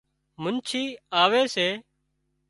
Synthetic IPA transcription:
mʊnt͡ʃʰiːaːʋeːseː

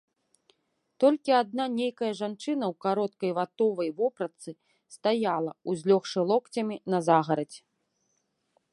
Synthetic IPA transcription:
t̪ɔlʲkʲiad̪̚nanʲejkɐjɐʐant͡ʂɨnɐwkaɾɔt̪̚kɐjvat̪ɔvɐjvɔpɾɐt̪sɨ | st̪ajalˠɐuzʲlʲɔxʂɨlˠɔkt͡sʲɐmʲinɐzaɣɐɾɐt͡sʲ

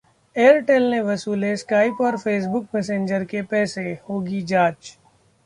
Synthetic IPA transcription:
eːəɾʈelneʋɐsuːleskaːɪpɔːɾfeːs̬bʊk̚mɛːsẽːnd͡ʒəɾkepɛːsehoːɡid͡ʒaːt͡ʃ

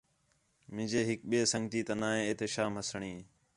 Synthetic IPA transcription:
mɪ̃d͡ʒeːɦɪk̚ɓieːsə̃ŋɡt̪iːt̪ənaːɦẽːeːt̪eːʃaːmɦəsəɳĩː

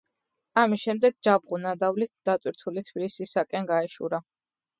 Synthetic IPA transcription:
amisʃɛmd̪ɛɡ̚d͡ʒabʁunad̪avlit̪̚ʰd̪̥at̪ʼwiɾt̪ʰulit̪ʰbilisisakʼɛnɡaɛʃṵɾa

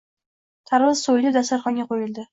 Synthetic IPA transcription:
t̪ʰaɾʁɨzsojlɪd̪asaɾχɒnŋɡʲaqojɪld̪ɪ

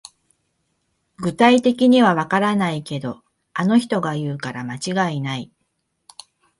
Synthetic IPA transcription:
ɡɯ̟t̪ait̪e̞kʲiɲ̟iβ̞aβakaɾanaike̞d̪o̞ | ano̞çi̥t̪o̞ɡajɯ̟ːkaɾamat͡ɕiɡainai

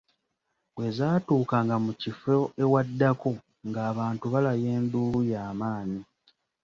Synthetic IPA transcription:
we̞zaːtuːkaŋɡamucifoewadːako̞ | ŋɡaːβaːntuβalaje̞ːnduːlujaːmaːni

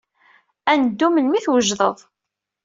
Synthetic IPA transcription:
ænəd̪ːumənmiθwəʒðˤəðˤ

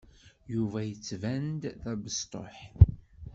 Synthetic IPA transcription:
juvæjət͡sːvænd̪ðæbəst̪ˤo̰ħ

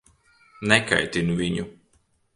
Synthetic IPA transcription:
nɛka̰jt̪ʲinuviɲu

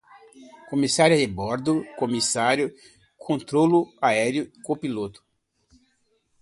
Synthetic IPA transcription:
komisaɾjʊebɔɾd̪ʊkomisaɾjʊ | kʰõnt̪ɾolʊaɛɾjʊkõpilot̪ʊ̥

